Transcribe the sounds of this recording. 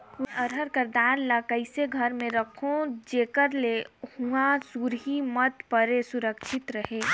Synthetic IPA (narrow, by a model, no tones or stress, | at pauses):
əɾɦəɾkəɾd̪aːnlakəɪseɡʱɐɾmẽɾɐkʰõd͡ʒeːkəɾlehuasuɾɦimət̪pəɾesʊɾəkʃʰɪt̪ɾɐɦeː